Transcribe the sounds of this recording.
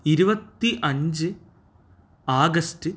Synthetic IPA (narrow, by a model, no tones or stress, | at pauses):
iɾubɐt̪ːiʔɐɲd͡ʑɨ | aːɡɐstɨ